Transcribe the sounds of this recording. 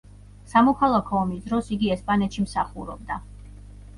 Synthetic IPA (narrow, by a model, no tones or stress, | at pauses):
samɔkʰalˠakʰɔːmisd̪ɾɔsiɡiɛspʼanɛt̪ʃimsaχuɾɔb̚d̪a